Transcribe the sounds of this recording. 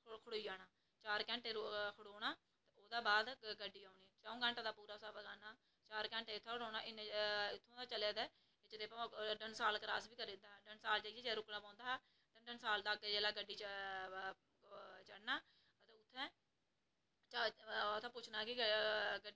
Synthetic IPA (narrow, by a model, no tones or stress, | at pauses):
kʰəɽoːiːaːnaː | t͡ʃaːɾkɛ̃ːɳʈeːkʰəɽoːnaː | t̪eoːd̪aːbaːd̪ɡəɖːiːaːʊɳniːɛːt͡ʃaõːɡəɳʈãːd̪aːpuːɾaːsaːbɡaːnaː | t͡ʃaːɾkɛ̃ːɳʈẽːʊt̪ʰːɛ̃ːkʰɽoːnaːʔɪnɪt̪ʰːõːd̪aːt͡ʃəleːd̪ɛː | t͡ʃd̪eːpãɖənsaːlkɾaːsbiːkəɾɪnd̪aːɖənsaːlt͡ʃəiːd͡ʒeːd͡ʒeːɾʊknaːpãːnd̪aːɦː | t̪ãːɖənsaːld̪aːɡd͡ʒeːlaːɡəɖːiːt͡ʃ | t͡ʃəɽnaː | t̪eːʊt̪ʰːɛ̃ː | t͡ʃat̪ʰãːpʊt͡ʃʰnaːkɪɡə